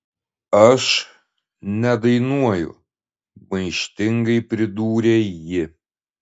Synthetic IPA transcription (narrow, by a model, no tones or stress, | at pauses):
ɐʃ | nʲɛd̪ɐɪnuɔjʊ̰ | bɐɪʃʲt̪ʲɪŋɡɐɪpʲɾʲɪd̪uːɾʲejɪ